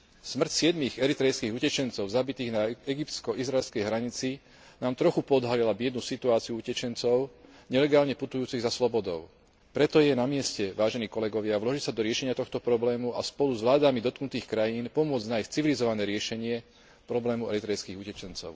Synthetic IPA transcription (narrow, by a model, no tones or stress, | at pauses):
smr̩csɪɛd̪miɣɛɾit̪ɾɛjskiːɣucɛt͡ʃɛnt͡sɔʊzabit̪iːɣnaɛɡipt̪t͡skɔʔizɾaɛlskɛjɦɾaɲit͡si | naːmt̪ɾɔxupɔɔd̪ɦalilabɪɛd̪nusit̪uaːt͡siuucɛt͡ʃɛnt͡sɔʊ | ɲɛlɛɡaːlɲɛput̪ujuːt͡siɣzaslɔbɔd̪ɔʊ | pɾɛt̪ɔjɛnamɪɛscɛʋaːʒɛniːkɔlɛɡɔʋɪaʋlɔʒicsad̪ɔɾɪɛʃɛɲɪat̪ɔxt̪ɔpɾɔblɛːmua̰spɔluzʋlaːd̪amid̪ɔt̪knut̪iːxkɾajiːnpɔmʊɔd͡znaixt͡siʋilizɔʋanɛːɾɪɛʃɛɲɪɛ | pɾɔblɛːmuɛɾit̪ɾɛjskiːɣucɛt͡ʃɛnt͡sɔ̰ʊ